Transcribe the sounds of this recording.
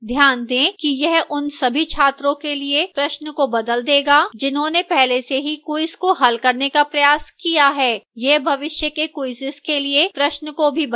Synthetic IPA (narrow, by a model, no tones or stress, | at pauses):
d̪ʱjaːnd̪ẽːkijɛɦʔʊnsɐbʱit͡ʃʰaːt̪ɾõkeliepɾɐʃnəkobɐd̪əld̪eːɡaːd͡ʒɪnɦõnepɛɦleseɦikuɪskoɦɐlkɐɾnekapɾɐjaːskijaɦɛːjeɦbʱɐʋɪʃjəkekuɪsɪskeliepɾɐʃnəkobʱib